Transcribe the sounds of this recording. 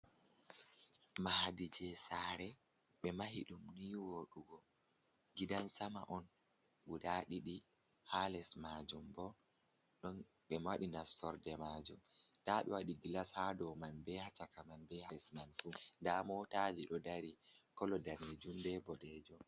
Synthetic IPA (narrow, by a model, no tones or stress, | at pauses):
mahadid͡ʒɛsaːɾɛ | ɓɛmahiɗumniːwoɗuɡɔ | ɡidansama̰ʔɔn | ɡuɗaɗiɗi | halɛsmad͡ʒumbɔ | ɗɔn | ɓɛmwaɗinasɔɾdɛmad͡ʒumdaɓɛ̰waɗiɡilashadɔmanbɛhat͡ʃakamanbɛhaɛsmanfundamɔtad͡ʒiɗɔdaɾikɔlɔdaned͡ʒumbɛbɔɗɛd͡ʒɔ